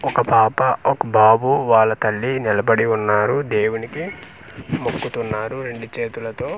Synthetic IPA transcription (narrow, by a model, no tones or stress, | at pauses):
ɔkɐpaːpɐɔkɐbʱaːbuʋaːɭːɐt̪ɐlːinilɐbɐɽiunːaːɾud̪eːwuniki | mokːut̪unːaːɾuɾe̞ɳɖut͡ʃe̞ːt̪ulɐt̪o̞ː